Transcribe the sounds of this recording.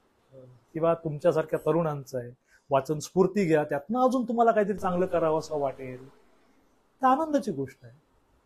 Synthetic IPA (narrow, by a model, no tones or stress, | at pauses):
ə | kĩw̃ʋat̪umt͡ɕjasaɾkʰjat̪əɾuːɳant͡saɦe | ʋat͡sənspuɾt̪iːɡʱjat̪jat̪naəd͡zuːnt̪um̤alakaɦit̪əɾiːt͡sãŋɡləːkəɾaʋəsaʋaʈeɾ | t̪eanənd̪ət͡ɕiːɡoʂʈaɦe